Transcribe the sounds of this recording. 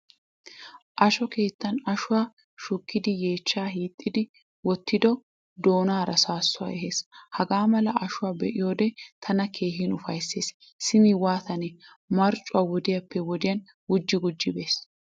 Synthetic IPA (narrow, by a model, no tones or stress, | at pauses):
ʔɐʃɔke̞ːt̪ːɐnɐʃʊwaː | ʃʊkːɪd̪ɪje̞ːt͡ʃːaːɦiːt̪ʼːɪd̪ɪ | wɔt̪ːɪd̪ɔ | d̪o̞ːnaːɾɐsaːsːʊa̰ːɛɦeːshɐɡaːmɐlɐɐʃʊwaːbɛʔɪjo̞ːd̪ɛt̪ʰɐnɐkʰe̞ːɦɪnʊfɐjsːe̞ːs | sɪmiwaːt̪ɐnɛ | mɐɾt͡ʃʼːʊwaːwɔd̪ɪjɐpːɛwɔd̪ɪjɐn | ɡʊd͡ʒːɪɡʊd͡ʒːɪbe̞ːs